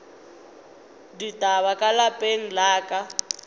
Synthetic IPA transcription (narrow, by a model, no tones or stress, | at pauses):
ditʼaβakʼalapʼeŋ̩laːkʼa